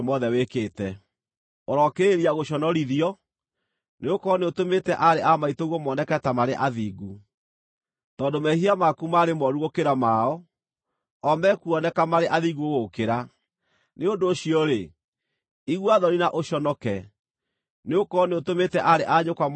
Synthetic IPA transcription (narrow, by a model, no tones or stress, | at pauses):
mɔðɛwekeːtɛ | oɾɔkeeɾiaɣoɕɔnɔɾiðiɔ | neokɔneotometɛʔaɾeʔamaitoɣwɔmɔnɛkɛtamaɾeʔaðiːɡu | tɔːdomɛhiamakumaɾemɔɾuɣokeɾamaɔ | ɔmɛkuɔnɛkamaɾeʔaðiɣuoɣokeɾa | neondoːɕiɔɾe | iɣwaðɔɾinaʔoɕɔnɔkɛ | neokɔneotometɛʔaɾeʔaɲokwam